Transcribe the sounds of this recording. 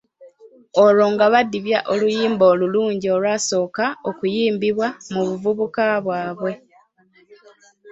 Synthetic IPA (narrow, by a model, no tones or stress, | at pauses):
olo̞ːŋɡaβadːiβjaʔolujiːmboːluluːɲɟio̞lwaso̞ːkaokujiːmbiβwamuβuvuβukaβwaːβwe̞